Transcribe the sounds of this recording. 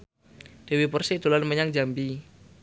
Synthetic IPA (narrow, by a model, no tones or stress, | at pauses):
d̥ewipərsid̪̥o̤lanməɲaŋd͡ʒambi